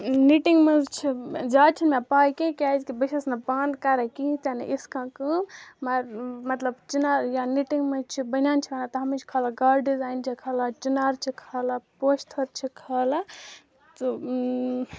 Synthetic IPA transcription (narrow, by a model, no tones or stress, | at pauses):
niʈiŋɡmezt͡ʃʰid͡ʒat͡ʃʰinmepajkẽkad͡ʒkibəsesnapand̪kaɾakit̪anḛʔiskãkɨmɐɾmɐt̪ləbt͡ʃinaɾjaniʈiŋɡmẽt͡ʃʰibənjant͡ʃʰibanat̪ɐɦɐmit͡ʃʰkʰalaɡaɾɖizajnt͡ʃʰikʰalat͡ʃinaɾt͡ʃʰikʰalapost̪ʰəɾt͡ʃʰikʰala | t̪o